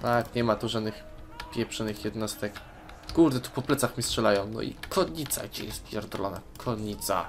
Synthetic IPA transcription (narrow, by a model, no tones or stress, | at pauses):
t̪akɲɛmat̪uʐad̪nɘx | pʲjɛpʂɔd̪nɘxjɛd̪nɔst̪ɛk | kuɾd̪ɛt̪u̥pɔplɛt̪saxmʲistʂɛlajɔ̃w̃nɔ̰ʔḭkʰɔɲit̪sa̰ɡd͡ʑɛ̰jɛst̪pʲjɛɾd̪lɔna̰kʰɔɲit̪sa̰